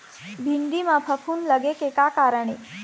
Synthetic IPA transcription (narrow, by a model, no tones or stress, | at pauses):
bʱiɳd̪imãpʰəkʰunləɡekekakaɾəɳ̃e